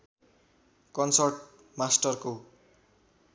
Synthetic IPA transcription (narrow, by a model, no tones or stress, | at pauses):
kʌnsʌrʈ̚ | masʈʌrko